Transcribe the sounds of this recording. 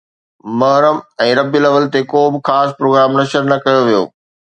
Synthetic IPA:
mɐɦɾəmɛ̃ːɾɐbjɪəlɐʋəlt̪ekoːbɪxaːspɾoːɡɾaːmnɐʃəɾnɐkɐjoʋijo̰ː

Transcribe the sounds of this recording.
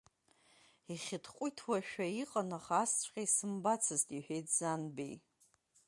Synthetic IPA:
iχʲɪtʰqʷʼʊjtʰwaʃᶣaiqʼanaχast͡ɕʷʰʼqʲʼejsɨmbat͡sʰɨztʼiħʷᶣejtʰzanbḛj

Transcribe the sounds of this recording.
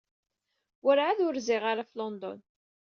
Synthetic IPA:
wəɾʕaðʊɾzɪʁaɾaflɔnd̪ɔ̰n

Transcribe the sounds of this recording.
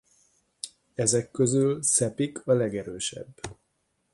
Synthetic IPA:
ɛzɛkːø̞zylsɛpikʰɒlɛɡɛɾøːʃɛ̰bː

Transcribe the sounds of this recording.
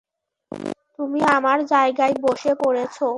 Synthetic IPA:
t̪umiamaɾd͡ʑaeɡaeboʃekoɾet͡ɕʰo

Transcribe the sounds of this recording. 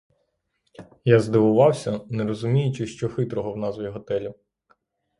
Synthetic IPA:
jazd̪ɪʋʊʋɑwsʲɐnɛɾɔzʊmʲijʊt͡ʃɪʃt͡ʃɔxɪt̪ɾɔɦɔwnɑzʋʲiɦɔt̪ɛlʲi

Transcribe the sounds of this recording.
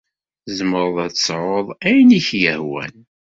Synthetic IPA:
zəməɾˤðˤætsˤʕoðˤæjniçjəhwæ̰n

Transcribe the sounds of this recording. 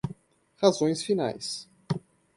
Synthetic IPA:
hazõj̃sfina̰js

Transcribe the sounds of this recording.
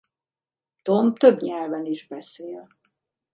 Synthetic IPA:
t̪omt̪øbɲɛlvɛniʒbɛseːl

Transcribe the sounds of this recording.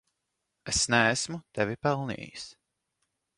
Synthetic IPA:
esnɛːsmut̪ɛvʲipɛlˠnḭːjis

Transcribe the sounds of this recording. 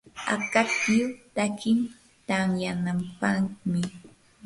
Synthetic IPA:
a̰kat̪jʊt̪akɪm | t̪aŋjanampaχmɪ

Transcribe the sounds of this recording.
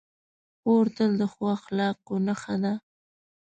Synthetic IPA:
oɾt̪əld̪əxwɑxlɑq̚onaxad̪a

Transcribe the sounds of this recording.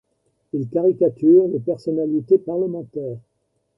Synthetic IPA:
ilkaʁikat̪yʁlepɛʁsɔnalit̪epaʁləmɑ̃t̪ɛːʁ

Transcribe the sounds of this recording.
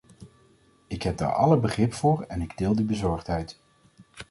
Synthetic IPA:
ɪkɦɛb̚da̰ːɹɑ̰ləbəχrɪpfʊːɹɛnɪɡdɪːlˠdibəzɔɹχtɦɛjt

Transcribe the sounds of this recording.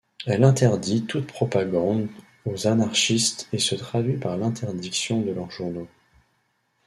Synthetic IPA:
ɛlɛ̃t̪ɛʁd̪it̪ut̪̚pχɔpaɡɑ̃d̪ | ozanaʁʃist̪esət̪χad̪ɥipaʁlɛ̃t̪ʰɛʁd̪iksjɔ̃d̪əlœʁʒuʁno

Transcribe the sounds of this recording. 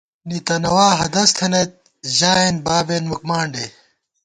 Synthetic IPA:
nit̪ɐnɐwaːɦɐd̪ɐst̪ʰɐnet̪̚ | ʑaːenbaːbenmɐkmaːɳɖe

